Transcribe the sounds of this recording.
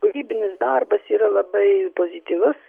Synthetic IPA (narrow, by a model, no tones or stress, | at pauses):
ʊɾʲiːbʲɪnʲɪsd̪arbɐsiːɾɐlˠɐbɐɪpozʲɪt̪ʲiːʋʊs